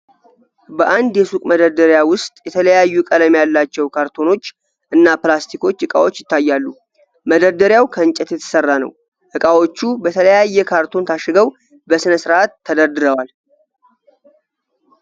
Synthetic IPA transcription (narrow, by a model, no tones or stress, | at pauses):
bəʔand̪jɛsukʼməd̪əɾd̪əɾjawʊst̪ʼjɛt̪ʰələjajːukʼələmjalːat͡ʃːɛwkʰaɾt̪ʰo̞no̞t͡ʃː | ʔɨnːaplast̪ʰikʰo̞t͡ʃːɨkʼawo̞t͡ʃːjɪt̪ːajːalːu | məd̪əɾd̪əɾjawkʰənt͡ʃʼɛt̪jɛt̪ʰɨ̥sərːanə̰w | ʔɨkʼawo̞t͡ʃːubət̪ʰələjajːɛkʰaɾt̪ʰo̞nt̪ʰaʃɨɡəw | bəsɨnəsɨɾʔat̪ːəd̪əɾd̪ɨɾəwal